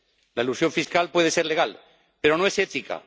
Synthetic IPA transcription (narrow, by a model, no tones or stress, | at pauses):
laelusjo̞ɱfiskalpwe̞ðese̞ɾleɣ̞al | pe̞ɾo̞no̞e̞set̪ika̰